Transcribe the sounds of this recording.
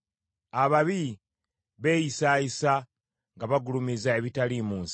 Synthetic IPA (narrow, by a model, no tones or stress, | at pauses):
aβaβi | βe̞ːjisaːjisa | ŋɡaβaɡulumizaeβitalimuːnsi̥